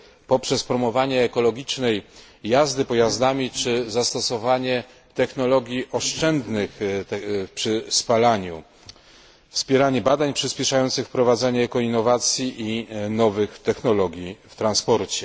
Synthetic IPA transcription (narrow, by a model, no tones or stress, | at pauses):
pɔpʂɛspɾɔmɔvaɲɛːkɔlɔɡʲit͡ʂnɛjː | azd̪ɘpɔjazd̪amʲit͡ʂɘzast̪ɔsɔvaɲɛ | t̪ɛxnɔlɔɡʲjiʔɔʂt͡ʂɛnd̪nɘx | pʂɘspalaɲu | fspʲjɛɾaɲɛbad̪aɲpʂɘspʲɛʂajɔnt̪sɘxfpɾɔvad̪zaɲɛːkɔinːɔvat̪sʲjiʔinɔvɘxt̪ɛxnɔlɔɡʲjift̪ɾanspɔɾt͡ɕɛ